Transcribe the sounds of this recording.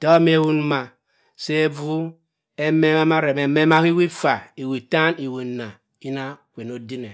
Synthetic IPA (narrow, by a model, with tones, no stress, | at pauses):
to˦me˦wu˦n˦ma˨ | se˦vu˦ | e˦me˦ma˦ma˦ɾe˨me˨me˦ma˦hi˦wi˦fa˨i˨wi˨ta˦ni˨we˨na˨ | i˦na˦kʷe˨no˨di˦ne˨